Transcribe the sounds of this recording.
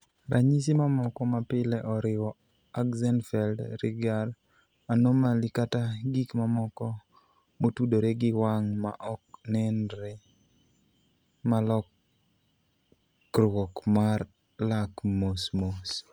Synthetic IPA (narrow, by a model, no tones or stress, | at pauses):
ɾʔaɲis̬imamɔkɔmapɪlɛʔɔɾɪwɔ | akzanfɛldɾɪɡal | anomalikataɡikmamɔkɔ | motudoɾeɡɪwaŋma̰ʔɔk̚nɛnɾe | malɔk | ɾɔkmar | lakmosmos